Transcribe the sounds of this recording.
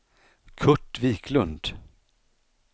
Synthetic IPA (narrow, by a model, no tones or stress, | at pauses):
kʰɵʈːviːkʰlɵnd̪